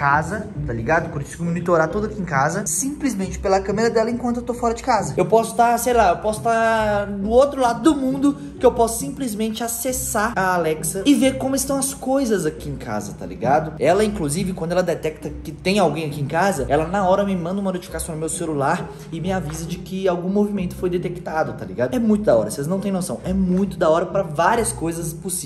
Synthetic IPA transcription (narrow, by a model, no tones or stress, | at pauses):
kazɐt̪aliɡad̪ʊkoɾsizʊmõnit̪oɾat̪ud̪ʊakiẽkazɐsĩplizmẽnt͡ʃɪ̥pelɐkɐ̃meɾɐd̪ɛlɐẽkɐ̃t̪ʊewt̪ofɔɾɐd͡ʒɪkazɐewpɔsʊ̥t̪aɾsejlaewpɔsʊ̥t̪anʊot̪ɾʊlad̪ʊd̪ʊmũnd̪ʊ | kɪewpɔsʊ̥sĩplizmẽnt͡ʃɪasesaaalɛksɐɪveɾkõmʊɪst̪ɐ̃w̃ɐskojzɐzakiẽŋka̰zɐt̪a̰lḭɡad̪ʊɛlɐĩŋkluzivɪkwɐ̃nd̪ʊɛlɐd̪ɛt̪ɛk̚t̪ɐkɪt̪ẽj̃awɡẽj̃akiẽkazɐɛlɐnɐɔɾɐmɪmɐ̃nɐumɐnot͡ʃi̥fikasɐ̃w̪̃ʊmewselulaɾ | ɪmɪavizɐd͡ʒɪkɪawɡũmovimẽnt̪ʊ̥fojd̪et̪ekt̪ad̪ʊt̪alḭɡad̪ʊɛmũj̃t̪ʊd̪aɔ̰ɾɐselznɐ̃t̪ẽj̃nosɐ̃w̃ɛmũj̃t̪ʊd̪aɔɾɐpɾɐvaɾiɐskojzɐsposi